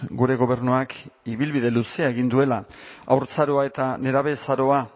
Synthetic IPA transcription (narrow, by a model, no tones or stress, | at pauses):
ɡuɾe̞ɣo̞βe̞rnuakiβilβiðe̞luseaeɣind̪ue̞laa̰wɾt͡saɾo̞ae̞t̪ane̞ɾaβe̞saɾo̞a